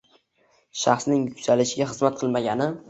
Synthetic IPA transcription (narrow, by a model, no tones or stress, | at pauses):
ʃaχsnɪŋjʊkʲsalɪʃɪɡʲaχɨzmat̪̚qʰɨlˠmaɡʲanɪ